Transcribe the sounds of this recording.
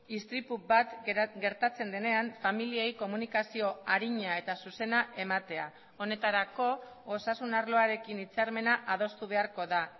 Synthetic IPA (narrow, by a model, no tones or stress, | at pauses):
ist̪ɾipubat̪ɡe̞ɾt̪at͡se̞nd̪e̞ne̞aɱfamiliejko̞munikasio̞aɾiɲae̞t̪asuse̞naʔe̞mat̪e̞a | o̞ne̞t̪aɾako̞ | osasunaɾlo̞aɾe̞kinit͡saɾme̞naʔað̞o̞st̪uβ̞e̞aɾko̞ða